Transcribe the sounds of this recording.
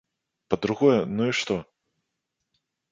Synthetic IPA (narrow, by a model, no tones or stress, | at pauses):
pɐd̪ɾuɣɔjɛnuiʂt̪ɔ